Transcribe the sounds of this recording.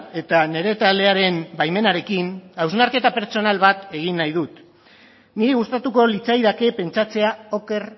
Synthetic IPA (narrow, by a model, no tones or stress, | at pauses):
e̞t̪ane̞ɾe̞t̪ald̪e̞aɾe̞mbajme̞naɾe̞kinawznaɾke̞t̪ape̞ɾt͡so̞nalβat̪e̞ɣ̞inːajðut̪ | niɾiɣust̪at̪uko̞lit͡sajðake̞pe̞nt͡sat͡se̞ao̞ke̞r